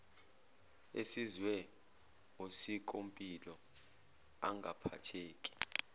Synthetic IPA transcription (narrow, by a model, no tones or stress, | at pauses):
esizwɛ | ŋosik̬ʼompʼilɔ | a̰ŋɡʱapʰa̰tʰeːkʼi̥